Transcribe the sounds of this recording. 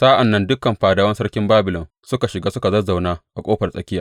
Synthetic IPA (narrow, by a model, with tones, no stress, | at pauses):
saː˦ʔa˨nːɐ˦ndʊ˦kɐ˨mɸaː˨daː˦wɐ˦nsɐ˦rkʲɪ˦mbaː˦bɪ˨lɔ˨n | sʊ˦ka˨ʃɪ˨ɡaː˦sʊ˦ka˨zɐ˦za˨wnaː˦ʔa˨kʷʼoː˦ɸɐ˨rsʼɐ̰˦kʲɪ˦jaː˨ʔ